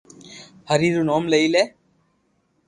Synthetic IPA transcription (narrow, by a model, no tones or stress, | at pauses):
həɾiːɾunoːmleileː